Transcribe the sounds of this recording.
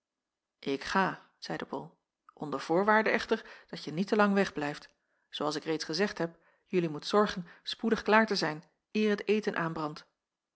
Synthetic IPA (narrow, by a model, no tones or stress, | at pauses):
ʔɪkχaː | z̥ɛjdəbɔ̰lˠ | ʔɔndəɹv̥ʊːɹʋaːɹdəɛχtəɹd̥ɑtjənitəlɑŋʋɛχblɛjft | zoɑlˠsɪkrejtsχəzɛχtɦɛp | jɵlimutsɔɹχənspudəχklaːɹtəzɛjn | ɪːɹɦətejtənʔaːnbrɑnt